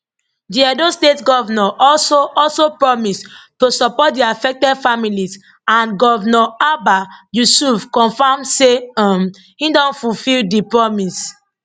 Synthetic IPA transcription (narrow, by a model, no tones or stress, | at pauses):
diadostetɡɔvanɔʔɔlsoʔɔlsopɹɔmistosɔpɔt̚diafɛk̚tɛdfamiliz | ãnɡɔvnɔabajusufkɔ̃nfamseɔm | hĩdɔ̃nfufildipɹɔmis